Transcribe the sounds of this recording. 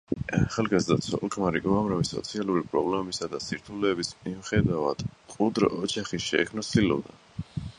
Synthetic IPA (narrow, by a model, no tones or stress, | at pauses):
aχalˠɡazd̪at̪sʰɔ̰lˠkʰʼmaɾiɡuamɾavisɔ̰t̪sʰialˠuɾipʼɾɔblɛmɛbisad̪asiɾt̪ʰulɛːbismiuχɛd̪avad̪̥kʼud̪ɾɔ̰ːd͡ʒaχiʃɛ̰ːkʰmnasilɔ̰vd̪a̰